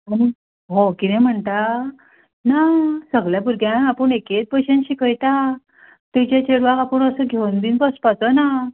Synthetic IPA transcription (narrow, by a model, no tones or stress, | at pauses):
aɽ̃i | ɦokinɛ̃m̤əɳt̪a | tnasəɡɭjapuɾɡjãapəɳeket͡s̚pəɕẽnɕikʰəjt̪a | t̪ujt͡ɕat͡ɕeɽʋaɡapəɳəsəɡʱewnbiːnpəspat͡səna